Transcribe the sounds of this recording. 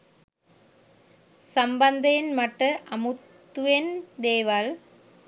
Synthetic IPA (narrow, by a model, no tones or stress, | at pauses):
sɐmbɐnd̪ɐjɪnmɐʈrɐʔɐmɯt̪ːɯʋend̪eːʋaːl